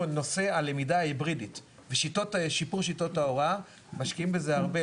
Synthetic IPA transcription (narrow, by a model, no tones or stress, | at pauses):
no̞se̞alemidaaibʁidit | veʃitotʃipuʁʃito̞taoʁa | maʃkiimbe̞zeaʁbe